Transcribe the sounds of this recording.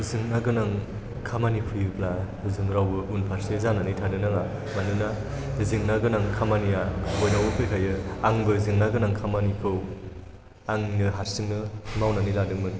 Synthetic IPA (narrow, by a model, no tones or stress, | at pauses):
zɯŋnaɡɯnaŋ | kʰamanipʰɯjɯpla | zɯŋɾawbɯunpʰaɾsezananitʰadɯnaŋa | manɯna | zɯŋnaɡɯnaŋkʰamanijaojnawɯkʰɯjkʰajɯaŋbɯzɯŋnaɡɯnaŋkʰamanikʰɯw | aŋnɯɦaɾsɯŋnɯmawnaniladɯŋmɯn